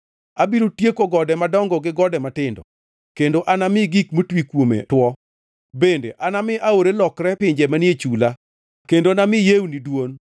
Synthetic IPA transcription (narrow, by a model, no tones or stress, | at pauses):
abiɾotjekoɡɔdɛmadɔŋɡɔɡɪɡɔdɛmatɪndɔ̰ | kendoʔanamɪɡikmotwikwomḛtwɔ | bendḛʔanamɪʔaoɾelɔkɾɛpɪɲd͡ʒɛmanet͡ʃula | kendonamɪjewnidwon